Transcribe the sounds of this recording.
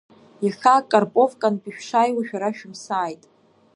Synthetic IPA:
jaχakʼarpʼovkʼanpʼiʃᶣʂajwaʃᶣaɾaʃᶣʊmsaːjtʼ

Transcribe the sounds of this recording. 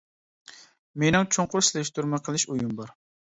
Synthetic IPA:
menɪŋt͡ʃʰoŋqʊɾslɛʃt̪uɾmɨqʰəlˠɨʃujumbɑɾ

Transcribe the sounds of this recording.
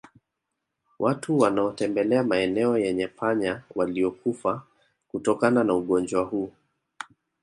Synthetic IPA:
wʔatʰuwanaɔtɛmbɛlɛamaɛnɛɔjɛɲɛpʰaɲawaliɔkufa | kutɔkananauɠɔnd͡ʒwahuː

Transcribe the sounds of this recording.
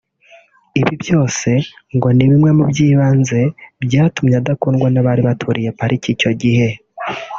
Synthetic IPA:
iβibjo̞ːse̞ŋɡo̞niβimŋe̞mubɟiːβaːnze̞bjaːtumɲadakuːnɡwanaβaːɾiβatʰuɾije̞paɾicico̞ɟihe̞

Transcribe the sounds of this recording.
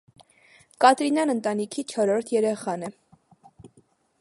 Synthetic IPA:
kɑt̪ɾinɑnənt̪ɑnikʰit͡ʃʰɔɾɔɾt̪ʰjɛɾɛχɑnɛ

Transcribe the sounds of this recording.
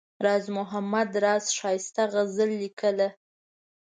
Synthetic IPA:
ɾɑzmʊɦamad̪ɾɑzʃɑjɪst̪aɣəzəlːikəla

